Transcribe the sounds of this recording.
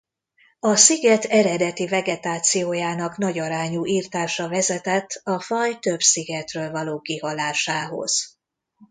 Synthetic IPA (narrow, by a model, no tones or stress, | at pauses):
ɒsiɡɛt̪ʰɛɾɛd̪ɛt̪ivɛɡɛt̪aːt̪sijoːjaːnɒkn̪ɒɟɒɾaːɲuːʔiːrt̪aːʃɒvɛzɛt̪ɛt̪ʰːɒfɒjt̪ø̞bsiɡɛt̪røːlvɒloːkihɒlaːʃaːɦo̞̰z̥